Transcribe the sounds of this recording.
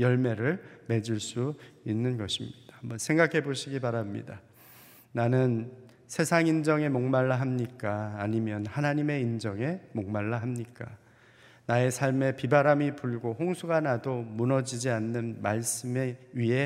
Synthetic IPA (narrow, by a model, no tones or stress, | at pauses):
jʌɭme̞ɾɯɭme̞d͡ʑiɭs͈uinːɯnɡʌɕʰimɲid̥ḁhambʌnsʰe̞ŋɡakʰe̞boɕʰiɡipaɾamɲḭda | nanɯn | sʰe̞sʰaŋind͡ʑʌŋe̞moŋmaɭːaɦamɲik͈aːɲimjʌnhanaɲime̞ind͡ʑʌŋe̞moŋmaɭːaɦamɲik͈a | nae̞sʰaɭme̞pibaɾamipuɭɡohoŋsʰuɡanadomunʌd͡ʑid͡ʑianːɯnmaɭs͈ɯmeɥiɦe̞